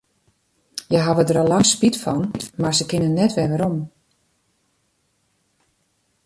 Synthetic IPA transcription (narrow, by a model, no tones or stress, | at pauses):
jəɦaʋədəɾɔlɑŋspitfɔ̰nmaɹzəkɪnənɛtʋɛʋəɾom